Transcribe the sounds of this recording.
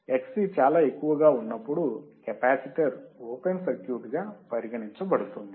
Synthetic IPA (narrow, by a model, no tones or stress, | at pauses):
eksit͡ʃaːlaːe̞kːuʋɐɡaːunːɐpːuɽukepaːsiʈɐɾoːpensɐɾkjuɾʈɡaːpɐɾiɡɐɳiɲt͡ʃɐbɐɽut̪und̪i